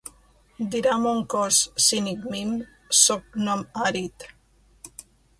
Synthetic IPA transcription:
d̪iɾamuŋkossinikmim | sok̚nomaɾit̪

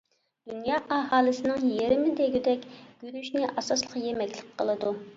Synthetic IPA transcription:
d̪̥unjɑːʔɑɦɑːlˠɨsɪnɨŋjeɾɪmɪd̪eɡʲyd̪ɛkʲɡ̥ʲyɾyʃnɪʔɑsɑslˠəqjemɛkʲlˠɪk̚ʲqʰːəlˠɨd̪u

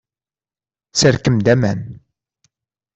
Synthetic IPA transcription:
səɾkəmd̪æmæn

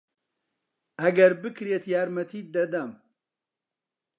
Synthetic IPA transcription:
ʔɐɡɐɾbɨkʰɾeːt̪jaːɾmɐt̪ʰiːd̪ɐd̪ɐm

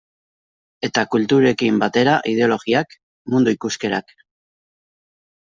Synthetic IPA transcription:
e̞t̪akult̪uɾe̞kimbat̪e̞ɾaʔið̞e̞o̞lo̞ɣiak | mund̪uikuske̞ɾak

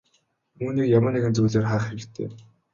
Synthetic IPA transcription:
uːniːkjamə̆nːeɣɘ̆nt͡suːɮeːrχaːχeɾ̆t̪ʰːḛː

